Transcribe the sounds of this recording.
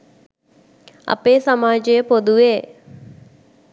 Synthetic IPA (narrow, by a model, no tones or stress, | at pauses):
ɐ̰peːsamaːd͡ʒəjəpod̪uʋeː